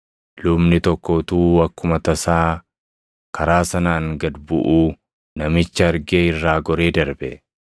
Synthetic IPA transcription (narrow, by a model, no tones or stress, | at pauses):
lʊbnɪt̪ɔkːɔːt̪uːwɐkːʊmɐt̪ɐsaː | kʰɐɾaːsɐnaːŋɡɐd̪bʊ̰ʔuː | nɐmɪt͡ʃːɐɐɾɡeːɪrːaːɡɔɾeːd̪ɐɾbɛ̰